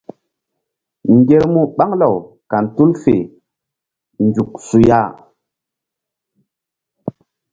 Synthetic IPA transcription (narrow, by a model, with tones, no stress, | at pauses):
ŋɡe˦ɾmu˦ɓa˦ŋla˨w | ka˨ntu˦lfe˨ | nd͡ʒu˨k̚su˨ja˦